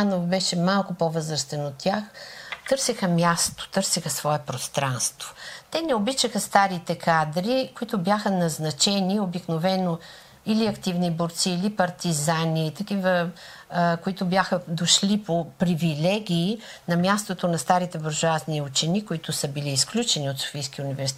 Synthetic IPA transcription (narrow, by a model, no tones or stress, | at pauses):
anovbɛʃɛmalˠkʊpovɤzɾəst̪ɛnot̪ʲːaxt̪ɤɾsɛxəmʲjast̪o̥t̪ɤɾsɛxəsvɔɛpɾost̪ɾanst̪v̥o̥t̪ɛnɛobit͡ʃəxəst̪aɾit̪ɛkʰad̪ɾikoit̪ʊbjaxənɐznɐt͡ʃɛniobiknovɛno | iliɐkt̪ivniboɾt̪siːlipɐɾt̪izanit̪ɐkivə | koit̪ʊbʲjaxəd̪oʃlipopɾivilɛɡʲiː | nɐmjast̪ot̪onɐst̪aɾit̪ɛboɾʒʊazniut͡ʃɛnikʊit̪ʊsəbiliːsklʲut͡ʃɛniot̪so̥fijskiunivɛɾsi